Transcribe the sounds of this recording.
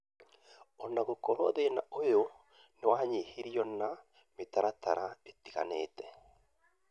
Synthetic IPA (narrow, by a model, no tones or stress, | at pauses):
ɔnaɣokɔɾɔðena̰ojo | newaːɲehiɾiɔna | metaɾata̰ɾʔaetiɣa̰nḛːtɛ